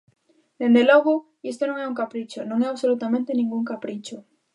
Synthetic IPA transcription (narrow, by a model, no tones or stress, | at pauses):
d̪̥end̪elɔɣʊ | ist̪onõŋɛuŋkapɾit͡ʃʊnõŋɛaβsolut̪amẽnt̪enĩŋɡuŋkapɾit͡ʃʊ